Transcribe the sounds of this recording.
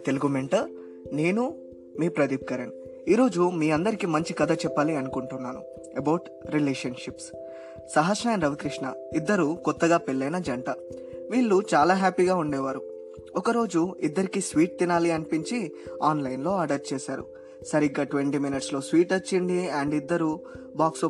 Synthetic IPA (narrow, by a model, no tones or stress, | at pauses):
t̪eluɡumeɳʈɐ | ne̞ːnu | miːpɾɐd̪iːp̚kɐɾen | iːɾo̞ːd͡ʒumiːɐnd̪ɐɾikimɐɲt͡ʃikɐd̪ʱɐt͡ʃɛpːaːliɐnukuɳʈunːaːnṵ | ebɐwʈ | ɾilɛːʂɐnʂips | sɐɦɐsɾɐːjɐnɾɐʋikɾiʂɳɐid̪ːɐɾukɔt̪ːɐɡaːpeɭːɐjnɐd͡ʒɐɳʈɐʋiːɭːut͡ʃaːlaːɦaːpiɡaːuɳɖɛːʋaːɾu | ɔkɐɾo̞ːd͡ʒuid̪ːɐɾikiːsʋiːʈ̚t̪inaːliɐnipiɲt͡ʃiaːnlɐjnlo̞ːɐɖɐɾt͡ʃɛːsaːɾṵ | sɐɾiɡːaːʈʋeɳʈiːminiʈslo̞ːsʋiːʈɐt͡ʃːiɳɖiɐɳɖid̪ːɐɾu | baːkso